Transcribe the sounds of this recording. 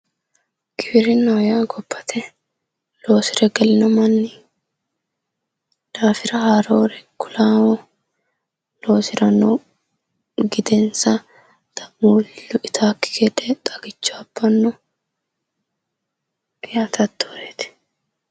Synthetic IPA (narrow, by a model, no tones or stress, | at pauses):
ɡ̥ɪbɪɾɪnɐwjaːɡɔpːɐ̥t̪ʰɛ | lo̞ːsɪɾɛɡɐlɪnɐmɐnːɪ | d̪̥aːfɪɾɐhaːɾoːɾɛkʊlaːwɔ | lo̞ːsɪɾɐno | ɡɪd̪ɛnsɐ | t̪ɐmuːlːʊʔɪt̪ʰaːkːɪ̥kʰed̪ɛt̪ʼɐɡɪt͡ʃːʊɐbːɐnːɔ | jaːt̪ɐt̪ːoːɾeːt̪ɪ̥